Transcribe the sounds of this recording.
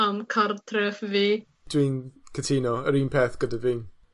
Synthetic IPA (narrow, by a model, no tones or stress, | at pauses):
amkʰartʰrɛfviː | d̥wiːnkʰətʰiːnɔəɾiːnpʰeːθɡ̥ədaviːn